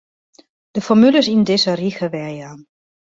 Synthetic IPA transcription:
d̥əfɔmyləsindɪsəriɣəʋɛjan

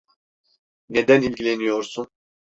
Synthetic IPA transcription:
ned̪ænilʲɟilʲenijoɾsun

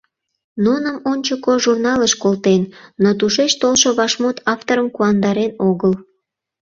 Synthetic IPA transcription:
nunəmonʲt͡ɕəkoʒurnɑləʃkolt̪enːot̪uʃeʃt̪olʃoβɑʃmot̪ɑft̪oɾəmkuɑnd̪ɑɾenoɣəl

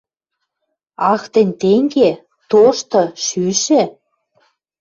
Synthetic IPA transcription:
ɑxt̪ə̆nʲt̪eŋɡe | t̪oʃt̪ɤ̆ʃyʃĕ

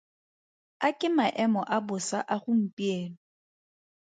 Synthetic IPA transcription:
akʼɪmaʔɛmɔʔabʊsaʔaχʊm̩pʼiɛːlɔ

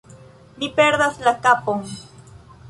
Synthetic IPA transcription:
nɪpeɾd̪aslakapoŋ

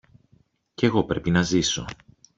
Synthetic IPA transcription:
ce̞ɣo̞pɾe̞pinɐziso̞

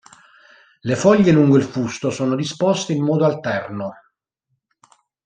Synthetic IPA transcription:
lefɔʎːeluŋɡoilfust̪osoːnod̪ispɔst̪eimːɔːd̪oalt̪ɛrno

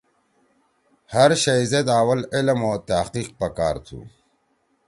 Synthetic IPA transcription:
hɐɾʃɐjzet̪aːwɐlɪlmoːt̪aqiːq̚pɐkaːɾt̪ʰṵ

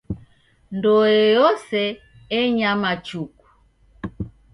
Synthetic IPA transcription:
ndɔjɛjɔsɛ | ɛɲamat͡ʃuku̥

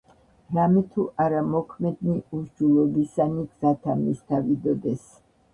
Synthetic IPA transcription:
ɾamɛt̪ʰuʔaɾamɔkʰmɛd̪niuɾd͡ʒulˠɔbisaniɡz̥at̪ʰamist̪ʰavid̪ɔd̪ɛs

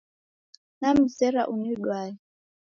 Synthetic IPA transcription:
nam̩sɛɾa̰ʔuniɗwaɛ

